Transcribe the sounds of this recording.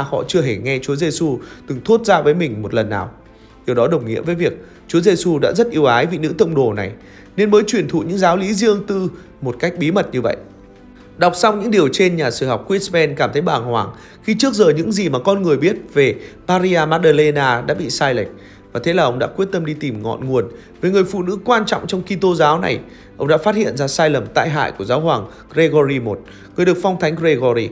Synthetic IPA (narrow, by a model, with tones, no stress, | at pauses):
hɔ̰˧˨t͡ɕɨ˧əɦe˧˩ŋɛ˧t͡ɕu˨˦ze˧su˧t̪ɨ˨˩ŋt̪ʰu˦˥ət̚zaː˧vəː˨˦jmï˨˩ŋ̟mo˨˩t̚lə˨˩nːaː˨˩w | ɗi˨˩əwɗɔ˨˦ɗə˨˩wŋ͡mŋḭ˧˥əmvəː˨˦jvi˨˩ək̚ | t͡ɕu˨˦əze˧su˧ɗa̰ː˧˥zə˦˥t̚ʔi˧əwʔaː˨˦jvḭ˧˨nɨ̰˧˥t̪ə˧wŋ͡mɗo˧˩na˨˩j | ne˧nməː˨˦jt͡ɕwi˨˩ənt̪ʰṵ˧˨ɲɨ̰˧˥ŋzaː˨˦wli˨˦zi˧əŋt̪ɨ˧ | mo˨˩t̚ka˦˥jk̟̚ɓi˨˦mə˨˩t̚ɲɨ˧və̰˧˨jʔ | ɗa˨˩wk͡p̚sa˧wŋ͡mɲɨ̰˧˥ŋɗi˨˩əwt͡ɕe˧nɲaː˨˩sɨ˧˩ɦa˨˩wk͡p̚kwi˦˥tspɛ˧nkaː˧˩mt̪ʰə˨˦jɓaː˧˩ŋhwaː˨˩ŋ | xi˧t͡ɕɨ˦˥ək̚zəː˨˩ɲɨ̰˧˥ŋzi˨˩maː˨˩kɔ˧nŋɨ˨˩əjɓi˦˥ət̚ve˨˩maː˧ɾi˧aː˧maː˧˥t̚ɗəː˧le˧naː˧ɗa̰ː˧˥ɓḭ˧˨saː˧jlə˨˩k̟̚ | vaː˨˩t̪ʰe˨˦laː˨˩ʔə˧wŋ͡mɗa̰ː˧˥kwi˦˥ət̚t̪ə˧mɗi˧t̪i˨˩mŋɔ̰˧˨nŋu˨˩ən | veː˨˩jŋɨ˨˩əjfṵ˧˨nɨ̰˧˥kwaː˧nt͡ɕɔ̰˧˨wŋ͡mt͡ɕɔ˧wŋ͡mki˧t̪o˧zaː˨˦wna̰˨˩j | ʔə˧wŋ͡mɗa̰ː˧˥faː˦˥t̚hḭ˧˨ənzaː˧saː˧jlə˨˩mt̪a̰ː˧˨jɦa̰ː˧˨jku˧˩əzaː˨˦wɦwaː˨˩ŋ | ɣɾe˧ɣɔ˧ɾi˧mo˨˩t̚ | ŋɨ˨˩əɗɨ˨˩ək̚fɔ˧wŋ͡mt̪ʰa˨˦jŋ̟ɣe˧ɣɔ˧ɾi˧